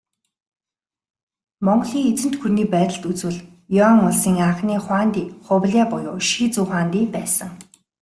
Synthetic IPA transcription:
mɔɴɢɮiːŋet͡sɘ̆nt̪xuniːpæːt̪ə̆ɬt̪ut͡swɘ̆ɮ | jɔŋʊɮsiːŋaɴχniːχwaːnt̪iːχʊwɮʲaːpʊjʊːʃiːt͡suːχaːnt̪iːpæːsə̆ŋ

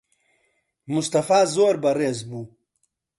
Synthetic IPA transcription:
must̪ɐfaːzoːɾbɐɾezbu

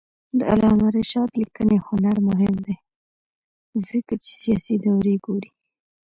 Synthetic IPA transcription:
d̪əa̰lɑmaɾeʃɑt̪likənehʊnaɾmʊɦɪmd̪e | zəkat͡ʃe̥sijɑsid̪awɾeɡoɾi

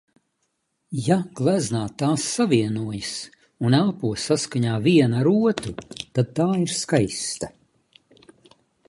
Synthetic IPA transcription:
jaɡ̥lˠæznaːt̪ːaːsːaviɛnuɔjas | unælˠpuɔsːaskaɲaːviɛnaɾuɔt̪ut̪ad̪̚t̪aːiɾskajst̪a

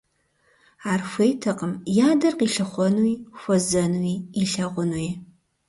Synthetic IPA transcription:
aːrxʷejtʰɐqəmjaːdɐrqiːɬɐχʷɔnwixʷɔzɐnuwiːiɬɐʁʷʊnwj

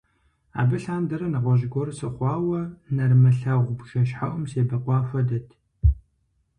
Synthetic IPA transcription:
a̰ːbɨɬaːndɐɾɐnɨʁʷɔʑɡʷɔrɨsɨχʷɑːwɐnɐrmɐɬɐʁʷbʃɐʃħaʔʷʊmseːbɐqʷɑːfʷɐdɐtʰ

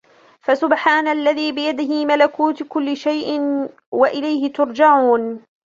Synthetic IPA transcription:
fasʊbħaːnalːaðiːbɪjad̪ɪhɪmalakuːt̪kʊlːɪʃajʔɪn | waʔɪlajhɪt̪ʊɾˤd͡ʒaʕuːn

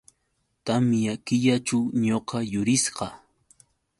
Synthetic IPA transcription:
t̪amjakɪʎat͡ʃawɲoqɑjʊɾɪsqɑ

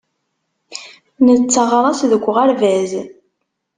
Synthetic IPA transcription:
nət͡sːəʁɾˤɑsðəɡʷːʁaɾvæz

